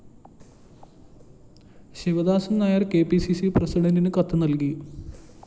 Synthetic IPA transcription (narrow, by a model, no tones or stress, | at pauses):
ɕiʋɐd̪aːsɐmnaːjɐrke̞ːpisisiprɐsiɽɐndinɨkɐt̪ːɨnɐlki